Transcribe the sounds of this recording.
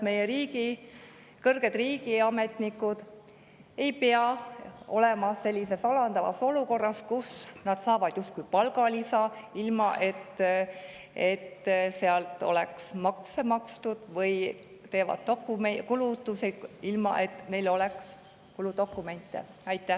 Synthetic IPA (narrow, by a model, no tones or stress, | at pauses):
me̞jeɾiːɡi | kɤrɡ̥e̞d̪̥riːɡ̥iɑme̞t̪nikːˑud̪̥ | e̞jpeɑo̞̰le̞mɑse̞lʲːise̞sɑlɑnd̪ɑvɑ̰so̞luko̞rːɑskusnɑd̪̥sɑːvɑd̪̥just̪̚kujpɑlɡɑlisɑilmɑʔe̞t̪ː | e̞t̪ːseɑlt̪ˑo̞̰leksmɑkse̞mɑkst̪ud̪̥vɤj | t̪e̞ːvɑ̰d̪̥̚t̪okːˑumekulut̪ːusiilmɑ̰ʔe̞t̪ːne̞jlo̞leks | kulud̪o̞kːˑume̞nʲt̪ːˑḛɑjt̪ːˑæh